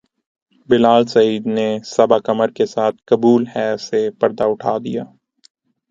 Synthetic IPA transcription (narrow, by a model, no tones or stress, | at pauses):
bɪlaːlsɐiːd̪nesɐbakɐməɾkesaːt̪̚ʰkɐbuːlɦɛːsepɐɾd̪aʊʈʰa̰ːd̪ḭjaː